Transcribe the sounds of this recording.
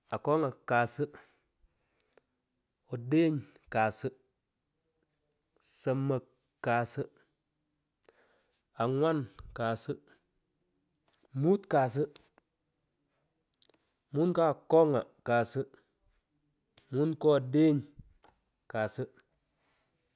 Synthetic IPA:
a˨ko˦ŋa˨kaː˨sə˦ | o˨de˦ɲ | kaː˨sə˦ | sə˨mːə˨ | kːaː˨sə˦ | a˨ŋwa˦nka˨sə˦ | mu˦tkaː˨s̬ə˦ | mu˦nka˦˨kɔ˦ŋa˨kaː˨sə˦ | mu˦nkɔ˦˨de˦ɲ | ka˨sə˦

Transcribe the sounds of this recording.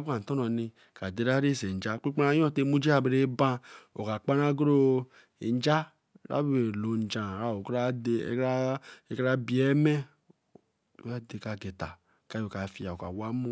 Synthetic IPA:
bka˨n̩˨tɔ˦nɔ˨ni˧ | ka˨de˨˦ɾa˦ɾe˦˨se˨n˨d͡ʒa˦k͡pi˦k͡pa˧˦jɔ̃˦˨te˦mu˦d͡ʒi˦a˦˨be˨˧ɾe˦bã˧o˨ka˨k͡pa˦ɾa˦ɡɾo˦ | e˨n˦d͡ʒa˦ | ɾa̰˦be˨lo˨n̩˨d͡ʒã˨ɾa˦˨o˨kɾa˦dḛ˧˨˦e˨kɾa˦bi˨ɛ˦mɛ˦˨˦ | a˦de˨ka˧ɡe˨ta̰˨ | ka˨˦o˨ka˨fi˦a˨o˨ka̰˨wa˦mu˦

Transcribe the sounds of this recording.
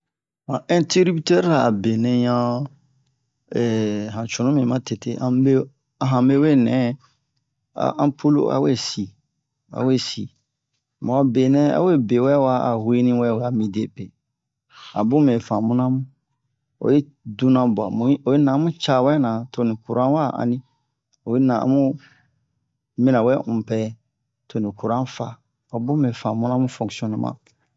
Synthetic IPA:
mã˨ɛ̃˦ti˦ɾi˦bi˦te˦ɾa˨a˨be˨nɛ̃˨ɲã˦ | ɛ˨ɦã˨t͡ʃũ˨nũ˦mĩ˨mã˦te˨tḛ˦˨ʔã˦be˦ | a˨ɦã˨me˦we˦nɛ̃˨˦ | a̰˨ʔã˦pʰo˦lo̰˦ʔa̰˨wḛ˦˨si˨ | a̰˨we˦˨sḭ˨ | mã˨a˨be˨nɛ̃˦a̰˦we˦˨be˨wɛ˦wa˦a˨hwe˦nĩ˦wɛ˦˨wa˨mĩ˨de˦pe˨ | a̰˨bũ˦mẽ˨fã˨mũ˦nã˦mũ˦ | o̰˨je˦ | dũ˦nã˨ba̰˨mũ˨˦o˨je˦nã˨˦mũ˦t͡ʃa˦˨wɛ˦nã˨to˨nĩ˨ku˨ɾã˦wa˦ʔã̰˨nĩ˦ | o˨je˦nã˨ã̰˦mũ˦ | mĩ˦nã˨wɛ˦ũ˨pɛ˦ | to˨nĩ˨ku˨ɾã˦fa˨ | a˨bũ˦mɛ̃˨fã˨mũ˦nã˦mũ˦fɔ̃˨ksiɔ̃˦nũ˦mʔã̰˨

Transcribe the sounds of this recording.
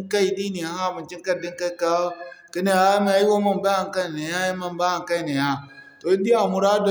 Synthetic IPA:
ka˦i˨di˦ni˨a˨ha˦˨mu˨nt͡ʃi˦ŋ˦ka˦˨di˦ŋka˦i˨ka˦ki˦ne˦a˦ma˨a˨˦ji˦wa˦ma˦mba˦a˨ŋka˦˨na˨ja˦ja˦ma˦mba˦a˨ŋka˦i˨ne˨ja˦to˨i˦di˦a˨mu˨ɾa˦do˦˨

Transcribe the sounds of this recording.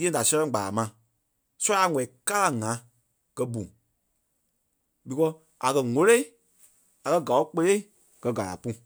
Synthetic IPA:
ẽ˦˨da˨sɛ̃˦lɛ̃˦˨ɡ͡ba˨a˨mã˨˧˨ | su˦a˧˦˨ŋɛ̃˨ka˦la˦˨ŋã˨˦ | kɜ˧bũ˨ | bi˨kɔ˦ | a̰˨kɜ˧ŋo˧˦le˦i˦ | a˨kɜ˧ɡa˨o˦k͡pe˧le˦i˦˨ | kɜ˨˧ɡa˨la̰˨pũ˦

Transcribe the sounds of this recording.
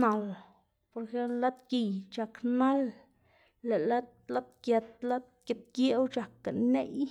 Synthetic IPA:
na˨l | po˨ɾe˧xe˦plla˦t̪ki˨jt͡ʃa˨kna˦lː | e˨la˦t̪la˦t̪kja˧t̪̚la˦t̪̚kʲe˨t̪̚kje˦wt͡ʃa˨ka˨ne˦j

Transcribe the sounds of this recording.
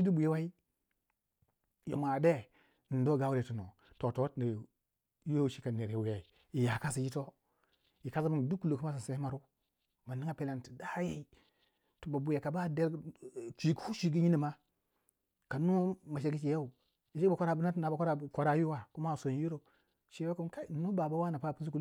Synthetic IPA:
ʃi˦du˦bu˨ji˦wa˦i˦ | jo̰˨m˨a˨de˦˨ | do˦˨ɡa˨˦wu˦ɾe˨tu˨no˨ | to˨to˨˦tna˨ | jo˦˨ʃi˦ka˨ne˨ɾe˨wu˨ja˨ | i˨ja˨ka˦s̬i˨ji˦to˦ | i˨ka˦za˦mi˦n˨du˦kːu˦lo˨ku˦ma˦sa˨se˦ma˨ɾu˦ | ma˨ni˦ŋa˦pe˨la˨nti̥˨da˦je˨i˦ | tu˨ba˨bu˨ja˨ka˨ba˦de˦ɾt͡ʃʷi˨khu˦ʃi˦ɡi˦ɲi˦ni˨ma˦ | ka˨no˦ma˨ʃ̬e˨ɡi˦t͡ʃi˨ja˦u˨ | i˨ʃi˦a˨kʷo˦ɾa˨bu˦na˦tna˨ba˨ka˦ɾa˦˨ko˦ɾa˦ju˦wa˨ku˦ma˦˨so˨n˦ju˦ɾo˨ | ʃi˦ba˦ku˦ka˦˨˦no˦ba˨ba˦wa˦na˨pa˦˨pi˦zu˦ku˦l

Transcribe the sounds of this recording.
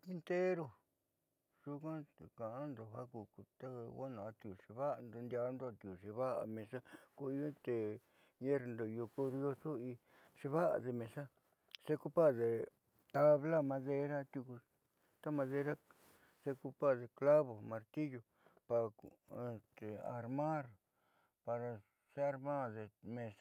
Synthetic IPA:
i˧nt̪e˦ɾo˧ | ʐ̥u˦kã˦t̪e˨kã˨ʔa˦nd̪o˧˨ɦa˦ku˧ku˧t̪a˦˧wa˦nã˨˧t̪i˧u˨ʂe˧βa˦˧nd̪o˧nd̪ʲa˧nd̪o˦˧t̪i˧u˨ʂe˧βa˦ʔa̰˧˨mẽ˧sa˦ku˧i˧o˦t̪e˨ | ɲẽ˦ɾnd̪o˧ju˧ku˦ðjo˧su˦i˧ | ʂe˧βa˦ʔa̰˨ðe˧mẽ˧sa˦ | se˦ku˦˧pa˦˨ðe˧ | t̪a˧βla˦mã˧ðe˧ɾa˦t̪u˧ku˧ | t̪a˦mã˧ðe˧ɾa˦ | se˧ku˧pa˦ðe˧kla˦βo˨mã˧ɾt̪i˦jo˧ | pa˧e˧t̪e˧a̰˨ɾmã˦ɾ | pa˧ɾa˧ | se˦a˧ɾmã˦˨ðe˧mẽ˧s

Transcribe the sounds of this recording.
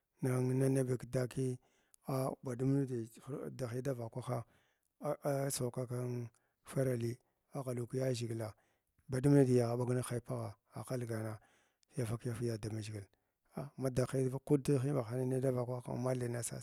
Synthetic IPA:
na˨ŋ˦na˦na˦bi˨kda˦ki˦ | a˦ba˨du˦mnu˦di˨˦˨da˨xi˦da˦va˨kʷa˦xa˦ | sa˨ka˦ka˦n | fa˦ɾa˨li˦ | a˦ɣa˨lu˨ki˦ja˦ʒi˨ɡla˨ | ba˨du˦mnu˦di˨ja˨ɣa˨ɓa˦ɡna˦xa˦i˦˨pa˦ɣa˨ | a˨xa˦lɡa˨na˦ | ja˦fa˦kja˦fi˦ja˨da˨ma˨ʒi˨ɡi˨l | a˨ma˦da˨xi˦ku˦dxi˦ba˨xa˨na˦na˦da˦va˨kʷa˦a̰˦ma˦li˨na˦sa̰˦˨

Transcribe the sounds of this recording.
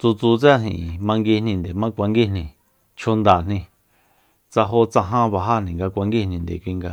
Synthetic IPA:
t͡su˧t͡su˧t͡sa˦nḭ̃˧˨mã˧ŋɡi˧nĩ˧nd̪e˨mã˦kʷa˧ŋɡi˦nĩ˧ | t͡ʃʰo˧nd̪a˨n̥ĩ˧ | t͡sa˧ɦo˧˦t͡sa˧ɦã˦βa˧ɦa˦nĩ˨ŋɡa˧kʷa˧ŋɡi˦nĩ˧nd̪ḛ˨kʷi˧ŋɡa˧

